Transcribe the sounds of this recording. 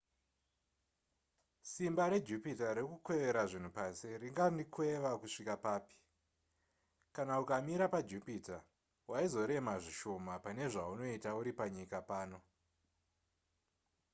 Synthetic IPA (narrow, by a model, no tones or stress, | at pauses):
simbaɾe̞d͡ʒupitaɾekukwe̞ʋe̞ɾaʐin̤upasiriŋɡandikwe̞ʋakuʂikapaːpi̥ | kanaukamiɾapad͡ʒupita | waizo̞ɾe̞maʐiʃo̞mapane̞ʐauno̞itauɾipaɲikapaːno̞